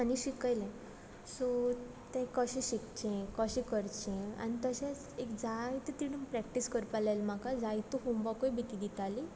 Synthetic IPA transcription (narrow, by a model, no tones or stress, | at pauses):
aniɕikajlẽ | so | t̪ẽkəɕẽɕikt͡ɕẽkəɕĩkəɾt͡ɕẽa̰nit̪əɕẽt͡s | ekd͡zajt̪ət̪iɽunpɾɛkʈiskəɾpalajlmakad͡zajt̪uɦombakojbʱit̪id̪it̪ali